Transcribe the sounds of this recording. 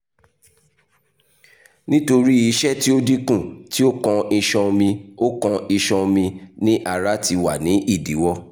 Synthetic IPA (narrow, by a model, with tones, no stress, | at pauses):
nĩ˦to˧ɾi˦i˧ʃɛ˦ti˦o˦di˦kũ˦˨ti˦o˦kɔ̃˧i˧ʃɔ̃˧mĩ˧o˦kɔ̃˧i˧ʃɔ̃˧mĩ˧nĩ˦ʔa˨ɾa˦ti˧wa˨nĩ˨˦ʔi˦˨di˨˦wɔ˧